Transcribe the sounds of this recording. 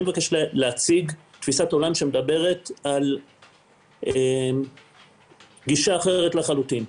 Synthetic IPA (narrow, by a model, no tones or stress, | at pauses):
evakeʃleleat͡siɡt̪fisato̞lamʃemed̪abe̞ʁe̞t̪al | em | ɡiʃaːχeʁetlaχalutin